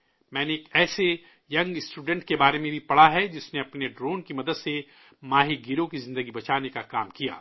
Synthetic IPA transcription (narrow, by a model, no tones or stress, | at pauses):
mɛ̃ːneːkɛːse | jɐ̃ŋɡsʈuːɖɛ̃ɳʈ̚kebaːɾemẽbʱipɐɽ̤aɦɛd͡ʒɪsneɐpneɖɾoːnkimɐd̪əd̪se | maːɦiɡiɾõkizɪ̃nd̪əɡibɐt͡ʃaːnekakaːmkija̰ː